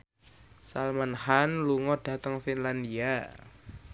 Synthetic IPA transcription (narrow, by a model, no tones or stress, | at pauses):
salmanhanluŋɔɖ̥a̤t̪əŋfinlandia